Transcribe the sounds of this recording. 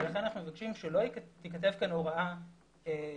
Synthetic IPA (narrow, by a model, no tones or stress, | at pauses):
elaχenanaχnumevakʃimʃelo̞t̪ikat̪e̞vkanoʁaa | e